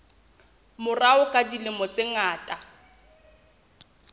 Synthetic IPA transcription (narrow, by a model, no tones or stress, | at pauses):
mʊraʊkʼadilɪmɔt͡seŋaːtʼa